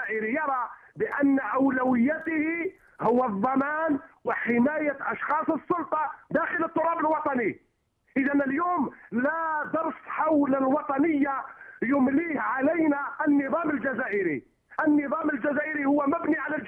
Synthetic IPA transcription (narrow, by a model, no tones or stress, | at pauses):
ʔɪɾijɑɾˤɑbɪʔænːʔawlæwɪjːæt̪hi | hʊwːaðˤːɑmæːnwɪħɪmæːjaʔɑʃxɑːsˤəsˤːʊlt̪ˤɑd̪æxələt̪ˤːʊɾˤɑbəlwɑt̪ˤɑni | ʔɪðænəljuːmlad̪ɑɾˤsħawləlwɑt̪ˤɑnəjːajʊmliːhʕalæjnaʔnːɨðˤɑːməld͡ʒazaːʔɪɾi | ʔənːɨðˤɑːməld͡ʒæzæːʔɪɾihʊwːæmæbniʕalæ